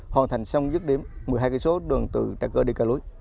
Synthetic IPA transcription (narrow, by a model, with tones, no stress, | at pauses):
hwaː˨˩nt̪ʰa˨˩jŋ̟sa˧wŋ͡mzɨ˦˥k̚ɗi˨˦əmːɨ˨˩jɦaː˧kə˧˦so˨˦ɗɨ̰˨˩əŋt̪ɨ̰˧˩t͡ɕa̰ː˧˩kəː˧ɗi˧kaː˧lu˨˦j